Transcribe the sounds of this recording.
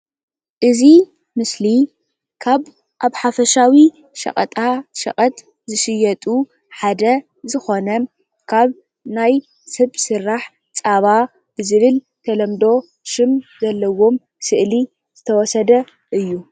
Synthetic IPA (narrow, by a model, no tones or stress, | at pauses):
ʔɨzi | mɨsli | kʰaβ | ʔaβħafɐʃawi | ʃɐ̰χʼɐ̰t̪ʼaʃɐ̰kʼɐt̪ | zɨʃɨjɐt̪ʼu | ħad̪ɐ | zɨxo̞nɐ | kʰaβ | naj | sɐβsɨɾːaħ | t͡sʼaβa | b̥ɨzɨβɨl | t̪ʰɐlɐmd̪o̞ | ʃɨmzɐlːɐwo̞m | sɨʔli | z̥ɨt̪ʰɐwɔsɐd̪ɐ | ʔɨjːu